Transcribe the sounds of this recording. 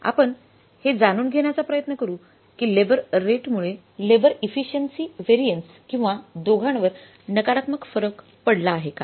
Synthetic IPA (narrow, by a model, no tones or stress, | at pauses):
a̰pəɳ | hed͡zañuːnɡʱeɳjat͡sapɾəjət̪nəkəɾuː | kiːlebəɾːeʈmuɭe | lebəɾifiɕənsiːʋeɾiəns | kĩw̃ʋad̪oɡʱaɳʋəɾ | nəkaɾat̪məkfəɾək | pəɽlaːɦeka